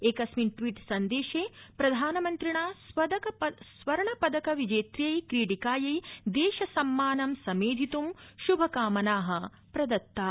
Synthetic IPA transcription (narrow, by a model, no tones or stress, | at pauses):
eːkɐsminʈʋiːʈsɐnd̪eːʃeːpɾɐd̪ʱaːnɐmɐnt̪ɾiɳaːsʋɐd̪ɐkɐpɐsʋɐɾɐɳɐpɐd̪ɐkɐʋid͡ʒeːt̪ɾijɐjkɾiːʈikaːjɐjd̪eːʃɐsɐmːaːnɐmsɐmeːd̪ʱit̪umʃubʱɐkaːmɐnaːɦɐ | pɾɐd̪ɐt̪ːaː